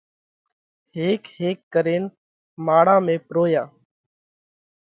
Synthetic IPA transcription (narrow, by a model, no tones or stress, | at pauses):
ɦeːkheːkːəɾeːn | maːɽãːmẽːpɾoːjaː